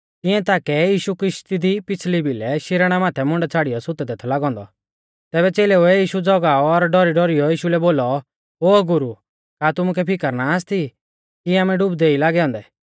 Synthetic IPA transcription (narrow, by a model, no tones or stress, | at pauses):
t̪ɪ̃ɛ̃t̪aːkɛjiːʃukɾɪʃt̪id̪ipɪt͡sʰlibilɛʃɪɾəɽ̃amaːt̪ʰɛmʊ̃ɳɖɛt͡sʰaːɽijɔsʊt̪ɛd̪eːt̪ʰɔlaːɡɔ̃ːnd̪ɔ̰ | t̪ɛːbɛt͡seːlɛuɛjiːʃud͡zɔɡaːɔːɾɖɔɾiɖɔɾijɔjiːʃulɛboːlɔ | oːɡʊɾu | kaːt̪ʊmʊkɛpʰɪkəɾnaːst̪i | kiaːmɛɖʊbd̪eːilaːɡɛɔ̃ːnd̪ɛ